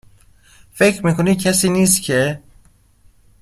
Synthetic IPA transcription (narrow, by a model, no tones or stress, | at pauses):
fecʰɾmiːkʰoniːd̪̚cʰæsiːniːst̪cʰe